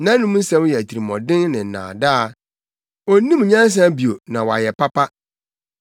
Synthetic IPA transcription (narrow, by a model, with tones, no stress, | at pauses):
nã˦nũ˦m̩˦sɛ̃˦m˦jɛ˨æ˨tʰi˨ɾi˨mɔ̰̃˨dɪ̃˦nnɪ̃˨n̩˨nã̰ː˨da˦a˨ | o˨nĩ˦m˨ɲã˦n˦s̬ã˦bi˨o˨nã˨wa̰˨jɛ˨pʰa˦pʰa˦